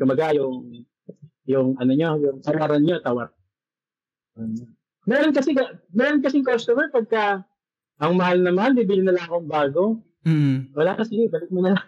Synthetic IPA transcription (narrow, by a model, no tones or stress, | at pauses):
t̪ʊmbɐɡajʊŋ | jʊŋʔɐno̞ɲo̞jʊŋt̪ɐwaɾɐnɲo̞t̪ɐwaɾ | ʔoːno | mɛːɾonkɐsɛkɐmɛːɾo̞nk̬ɐsɪŋkost̪omɛɹpɐɡ̚kɐ | ʔɐŋmɐhalnɐmanbibilɪnːɐlɐŋɐkoŋbaːɡo̞ | wɐlaːkɐsɪlɪbɐlɪk̚mʊnɐla